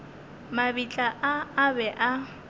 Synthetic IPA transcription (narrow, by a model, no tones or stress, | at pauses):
mabit͡ɬʼaʔaːbɛʔa